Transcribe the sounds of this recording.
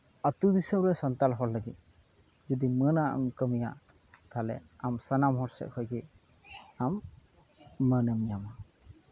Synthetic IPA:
ət̪ud̪isəmɾɛsɔnt̪alɦɔlːəɡit̪̚ | d͡ʒɔd̪imənaʔa̰mkəmija̰ʔ | t̪alɛ̰amsanamɦɔɾsɛ̰ʔ̚hʰɔjɡi | amː | ənəmjama

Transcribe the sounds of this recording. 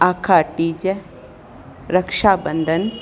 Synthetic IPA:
aːkʰaːʈiːd͡ʒe | ɾɐkʂaːbənd̪ʱɐn

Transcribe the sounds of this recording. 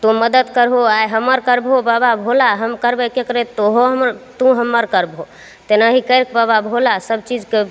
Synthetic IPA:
t̪oməd̪əd̪kəɾɦoajɦəmːəɾkəɾbobababʱolaɦəmkəɾbəkekəɾet̪oɦoɦmɾt̪ũɦəmːəɾkəɾbɦo | t̪enaɦikəɾk̚bababʱolasəbt͡ʃid͡ʒke

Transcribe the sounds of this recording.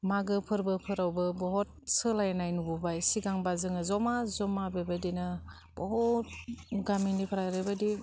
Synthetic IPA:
maɡɯpʰɯɾbɯpʰɯɾawbɯbɔɦɔt̚sɯlajnajnubɔbajsiɡaŋbazɯŋɯzɔmazɔmabebadinɯ | b̥ɔɦut̚ɡaminipʰɯɾajɾɯbadi

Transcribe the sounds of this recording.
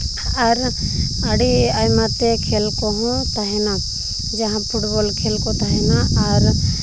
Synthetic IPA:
aɾaɽiajmat̪ekʰelkɔɦɔ̃t̪aɦɛna | d͡ʒaɦãpʰuʈbɔlkʰelkɔt̪aɦɛnaaɾ

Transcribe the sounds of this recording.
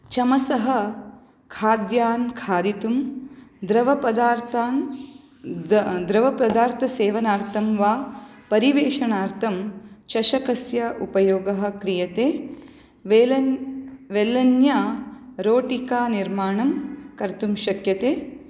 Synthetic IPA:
t͡ʃɐmɐsɐɦɐ̆ | kʰaːd̪jaːnkʰaːd̪it̪umd̪ɾɐʋɐpɐd̪aːɾt̪aːn | d̪ɾɐʋɐpɾɐd̪aːɾt̪ʰɐseːʋɐnaːɾt̪ʰɐmʋaːpɐɾiʋeːʃɐnaːɾt̪ʰɐmt͡ʃɐʃɐkɐsjɐʔupɐjoːɡɐɦɐ̆kɾijɐt̪eː | ʋeɐ | ʋeːlːɐnjaːɾoːʈikaːniɾmaːɳɐmkɐɾt̪umʃɐkjɐt̪eː

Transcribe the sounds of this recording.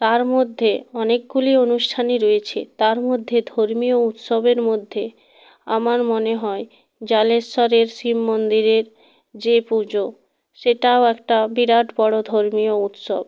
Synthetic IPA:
t̪aɾmod̪ʱːeɔnek̚ɡulionuʃʈʰaniɾoet͡ɕʰḛt̪aɾmod̪ʱːed̪ʱoɾmiout̪ʃobeɾmod̪ʱːe | a̰maɾmoneɦɔe | d͡ʑaleʃɔɾeɾsimːond̪iɾeɾ | d͡ʑepud͡ʑo | ʃeʈaoɛk̚ʈabiɾaʈʰbɔɽod̪ʱoɾmiout̪ʃo̰b̚

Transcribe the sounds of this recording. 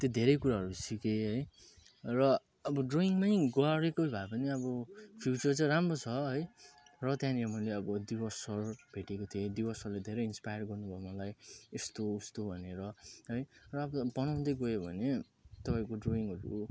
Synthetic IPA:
t̪jod̪ʱeɾʌjkuɾaɦʌɾusikeɦʌj | rʌ | ʌbʌɖroiŋmajɡʌɾekojbʱaepʌniʌbʌpʰjut͡sʌrt͡sʌĩramrot͡sʰʌɦʌjrʌt̪jãniamʌileʌbʌd̪ibʌsʌrbʱeʈekot̪ʰied̪ibʌsʌrled̪ʱeɾʌjinspajʌrɡʌrnubʱʌemʌlajest̪oust̪obʱʌneɾʌɦʌjrʌːbʌbʌnaw̃d̪ʌjɡʌebʱʌ̰ne | t̪ʌpaĩkoɖroiŋʌɾu

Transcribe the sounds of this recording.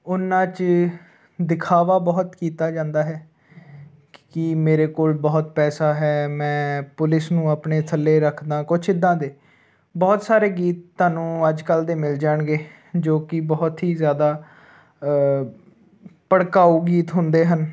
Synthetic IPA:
ʊnãːt͡ʃ | d̪ɪkʰaːʋaːbɔːt̪kiːt̪aːd͡ʒãːnd̪aːɦɛː | kɪmeːɾeːkoːlbɔːt̪pɛːsaːɦɛːmɛ̃ːpʊlɪsnũːapɳeːt̪ʰəlːeːɾəkʰd̪ãːkʊt͡ʃʰɪd̪ãːd̪eː | bɔːt̪saːɾeːɡiːt̪ːaːnũːəd͡ʒkəld̪eːmɪld͡ʒaːɳɡeː | d͡ʒoːkɪbɔːt̪ɦiːzjaːd̪aː | pəɽkaːuːɡiːt̪ɦʊnd̪eːɦən

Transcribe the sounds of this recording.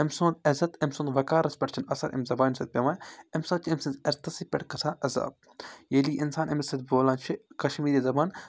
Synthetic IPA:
ɐmsõːnd̪ɐzɐt̪ɐmsõːnd̪ʋɐkaːɾɐspʲɐʈt͡ʃʰɐnɐsɐɾʔɐ̰mzɐbaːnsɐt̪̚pʲeʋaːɐmsaːt͡ʃʰɐmsɐnzɐɾt̪ɐsipʲɛʈkɐsʰaːʔɐza̰ːb̚ | jeliːʔɪnsaːnʔɐmɐsɐt̪̚boːlaːnt͡ʃʰikɐʃmiːɾiːzɐbaːn

